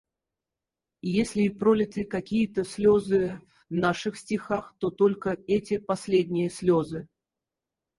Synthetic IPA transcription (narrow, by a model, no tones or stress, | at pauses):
jesʲlʲɪpɾolʲɪt̪ɨkɐkʲijət̪əsʲlʲozɨ | naʂɨxsʲtʲɪxaxt̪ot̪olʲkəɛtʲɪpɐsʲlʲedʲnʲɪjəsʲlʲozɨ